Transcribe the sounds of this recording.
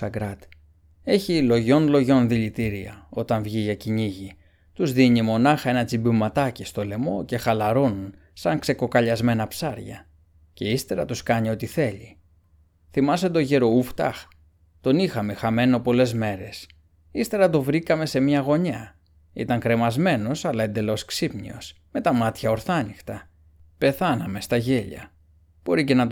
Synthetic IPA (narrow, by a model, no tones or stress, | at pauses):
ɐɡɾɐt̪ | e̞çilo̞ʝo̞nlo̞ʝo̞nðiʎit̪iɾiɐ̰o̞t̪ɐɱvʝiʝɐciɲiʝi | t̪uzðiɲimo̞nɐxɐe̞nɐt͡sibumɐt̪ɐcist̪o̞le̞mo̞ce̞xɐlɐɾo̞nun | sɐŋkse̞ko̞kɐʎɐzme̞nɐpsɐɾʝɐ̰ | ce̞ist̪e̞ɾɐt̪uskɐɲio̞t̪iθe̞ʎi | θimɐset̪o̞ʝeɾo̞uft̪ɐ̰x | t̪o̞nixɐmexɐme̞no̞po̞le̞zme̞ɾe̞s | ist̪e̞ɾɐt̪̬o̞vɾikɐme̞se̞mɲɐɣo̞ɲɐ | ḭt̪ɐŋkɾe̞mɐzme̞no̞sɐlɐe̞nd̪e̞lo̞sksipnḭo̞̰s | me̞t̪ɐmɐt̪çɐo̞ɾθɐnixt̪ɐ | pe̞θɐnɐme̞st̪ɐʝe̞ʎɐ̰ | b̥o̞ɾice̞nɐt̪